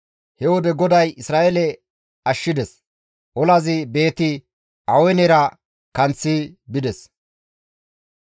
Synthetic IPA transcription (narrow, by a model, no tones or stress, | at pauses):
hɛwɔd̪ɛɡɔd̪ɐjɪsɾaːʔɛlɛ | ɐʃːɪd̪ɛs | ʔɔlɐzɪbe̞ːt̪ɪ | ʔɐwɛnɛɾɐ | kɐnt͡sːibɪd̪ɛs